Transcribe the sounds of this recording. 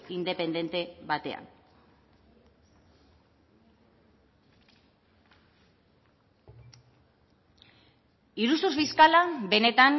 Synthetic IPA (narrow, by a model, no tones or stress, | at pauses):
ind̪e̞pe̞nd̪e̞nt̪e̞βat̪e̞a̰n | iɾususfiskalabe̞ne̞t̪an